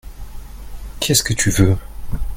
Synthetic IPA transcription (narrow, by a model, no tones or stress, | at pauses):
kʲʰɛskət̪ʰyvø